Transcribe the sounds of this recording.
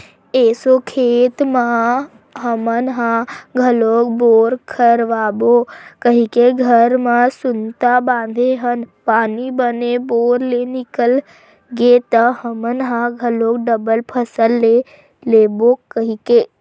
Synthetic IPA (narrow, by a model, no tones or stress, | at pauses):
eːsokʰeːt̪mã | ɦəmənɦãɡʱəloːk̚boːɾkʰəɾʋaːbokəɦikeɡʱəɾmãsʊnt̪abãːnd̪ʱeɦənpaːnibəneboːɾlenɪkəl | ɡet̪əhəmənɦãɡʱəloːkɖəbəlpʰəsəlːe | leːbokəɦikeː